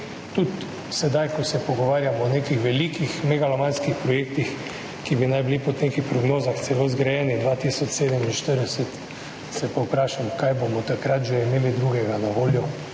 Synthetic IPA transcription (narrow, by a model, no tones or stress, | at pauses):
t̪ut̪ | sɛd̪ajkosɛpoɡoʋaːɾjamɔːnekixʋɛliːkixmɛɡalamanskixpɾɔjeːk̚t̪ix | kibinajbilipod̪nekixpɾoɡnoːzaxt̪sɛlozɡɾajɛːnid̪ʋaːt̪iːsɔt͡ʃseːd̪ɛminʃt̪əɾd̪ɛsɛt̪ | sɛpaupɾaːʃamkajbomɔt̪akɾat̪ʒɛimeːlid̪ɾuɡɛɡanaʋoːljɔ